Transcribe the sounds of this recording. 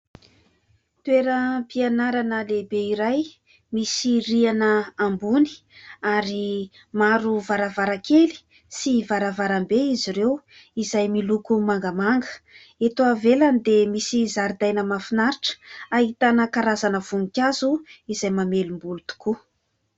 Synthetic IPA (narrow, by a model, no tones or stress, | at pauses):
t̪weɾəpianaɾanəlebeiɾaj | misirianəambuni̥ | aɾi | maɾuvaɾavaɾakeli̥ | sivaɾavaɾambeiziɾew | izajmilukumaŋɡəmaŋɡə̥ | et̪oavelanid̪emisizaɾid̪ajnəmafinaɾiʈ͡ʂaɦit̪anəkaɾazanəv̥uŋikʲazuizajmamelumbulut̪u̥ku